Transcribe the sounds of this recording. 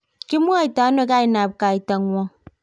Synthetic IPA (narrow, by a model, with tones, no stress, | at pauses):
ki˦mu˦a˦i˨ta˨˦no˦ka˦i˨na˨p̚ka˨i˨ta˨ŋwʷɔ˦ŋ